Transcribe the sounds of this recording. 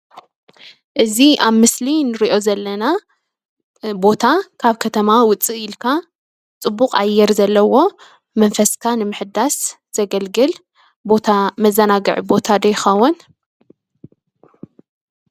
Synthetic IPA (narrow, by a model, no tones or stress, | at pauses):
ʔɨziʔaβmɨslinɨɾiʔo̞zɐlːɐna | bo̞t̪ʰakʰaβkʰɐt̪ʰɐmawʊt͡sʼːiʔjɪlkʰa | t͡sʼɨbːuqʼa̰jːɛɾzɐlːɐwo̞ | mɐnfɐskʰanɨmɨħɨd̪as | z̥ɐɡɐlɡɨl | bo̞t̪ʰamɐzːɐnaɡɨʕibo̞t̪ʰad̪ɐjxɐwʊn